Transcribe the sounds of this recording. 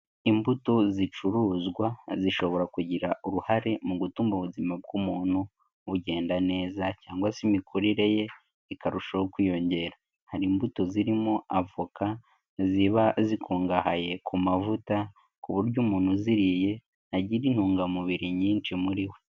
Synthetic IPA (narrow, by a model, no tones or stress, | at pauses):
imbutozit͡ʃuɾuːzɡwaziʃo̞βo̞ɾakuɟiɾauɾuhaɾemuɡutuːmboβuzimab̚ɡumuːn̥hu | βuɟe̞ːndane̞ːzacaːŋɡwasimikʰuɾiɾe̞je̞ | ikaɾuʃajokwiːjo̞ɲɟe̞ɾa | haɾiːmbuto̞ziɾimo̞avoka | ziβazikʰuːŋɡahaje̞kʰumavuta | kuβuɾɟuːmuːn̥huziɾije̞ | aɟiɾin̥huːŋɡamuβiɾiɲiːnt͡ʃimuɾiwe̞